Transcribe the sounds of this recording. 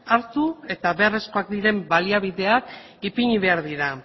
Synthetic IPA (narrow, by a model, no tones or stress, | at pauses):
aɾt̪ue̞t̪aβe̞are̞sko̞akd̪iɾe̞mbaliaβiðe̞ak | ipiɲiβe̞aɾðiɾa